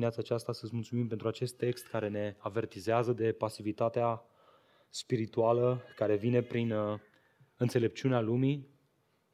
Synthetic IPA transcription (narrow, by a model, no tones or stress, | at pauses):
ineat̪saːt͡ʃast̪asət̪s̬ʲmult̪sumimpent̪ɾuat͡ʃe̞st̪ːe̞kst̪kaɾe̞ne̞ave̞rt̪izeazəd̪e̞pasivit̪at̪ea | spiɾit̪ualəkaɾe̞vine̞pɾin | ɨnt̪se̞le̞p̚t͡ʃiunealumi